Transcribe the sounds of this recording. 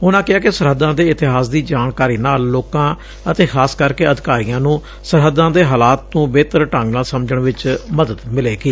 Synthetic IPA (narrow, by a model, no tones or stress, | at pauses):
ʊnãːkɪaːkɪsəɾɦəd̪ːãːd̪eːɪt̪ɪɦaːsd̪iːd͡ʒaːnkaːɾiːnaːlːoːkãː | ət̪eːxʰaːskəɾkeːəd̪ɪkaːɾijãːnũː | səɾɦəd̪ãːd̪eːɦaːlaːt̪̚nũːbeːt̪əɾʈə̃ŋɡnaːlsəmd͡ʒəɳʋɪt͡ʃməd̪əd̪mɪleːɡiː